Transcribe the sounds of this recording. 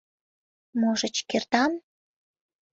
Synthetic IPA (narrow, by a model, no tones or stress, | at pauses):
moʒət͡ɕkert̪ɑn